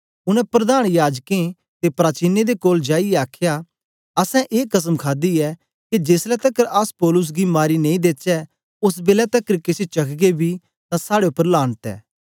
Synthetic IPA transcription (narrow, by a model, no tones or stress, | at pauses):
ʊnɛ̃pɾɐd̪aːɽ̃jaːd͡ʒkẽ | t̪epɾaːt͡ʃiːned̪ekoːld͡ʒaːiɛaːkʰja | ɐsɛ̃ʔeːkɐs̬əmkʰaːd̪iɛ | kid͡ʒeːslɛt̪ɐkːəɾaspɔːlʊs̬ɡimaːɾinẽĩd̪eːt͡ʃɛ | ʊs̬beːlɛt̪ɐkəɾkɪset͡ʃɐkʰɡebʱi | t̪ãsaːɽeʊpːəɾlaːɽt̪ɛ̰ː